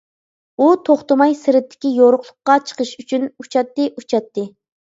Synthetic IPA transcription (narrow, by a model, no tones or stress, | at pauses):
ut̪ʰoχt̪ɨmɑjsɪɾɪt̪ʰːɪ̥kʲijoɾʊqlˠʊqːɑt͡ʃʰə̥qʰəʃyt͡ʃʰynut͡ʃʰɑt̪ːɨʔut͡ʃʰɑt̪ːɨ